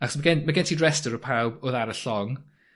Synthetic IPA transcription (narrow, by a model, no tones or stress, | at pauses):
aχɔsməɡɛnmaɡɛntʰidɹɛstəɾəpʰawbɔðaɾəɬɔŋ